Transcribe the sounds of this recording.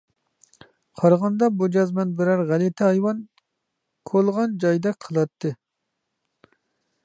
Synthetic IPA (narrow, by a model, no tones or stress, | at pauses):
qʰɑɾʁɑnd̪ɑbud͡ʒɑzmɛnbɪɾɛɾʁælɪt̪ʰɪɑjwɑn | kʰolˠʁɑnd͡ʒɑjd̪ɛqʰəlˠɑt̪ʰːɨ